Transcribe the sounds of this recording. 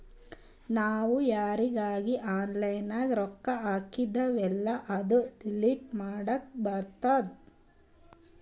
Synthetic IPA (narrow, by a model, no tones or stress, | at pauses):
naːʋujaːɾiɡaːɡiʔaːnlɐjnaːɡɾɔkːɐaːkid̪ɐʋɛlːɐʔɐd̪uɖiliʈmaːɽɐk̚bɐɾt̪aːd̪